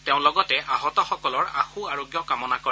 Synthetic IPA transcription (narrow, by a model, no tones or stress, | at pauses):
tɛʊ̃lɔɡɔtɛʔaɦɔtɔxɔkɔlɔɹaxuaɹoɡjɔkamɔnakɔ